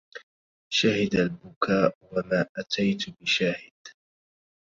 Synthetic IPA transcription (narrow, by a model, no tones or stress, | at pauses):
ʃahɪd̪albʊkaːʔwamaːʔat̪ʰajt̪bɪʃaːhɪd̪̥